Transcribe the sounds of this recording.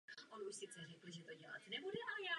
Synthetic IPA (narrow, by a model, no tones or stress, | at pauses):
ʔonuʃsɪt͡ssɛrɛkl̩ʒɛt̪o̞ɟɛla̰t̪nɛbudɛʔajaː